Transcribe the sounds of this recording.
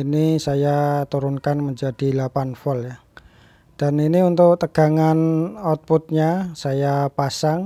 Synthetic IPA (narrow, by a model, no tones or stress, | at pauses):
inisajat̪uɾʊnkanməɲd͡ʒad̥ilapanfɔlja | d̥aniniunt̪ʊʔt̪əɡ̥a̤ŋanɔt̪̚put̪̚ɲasajapasaŋ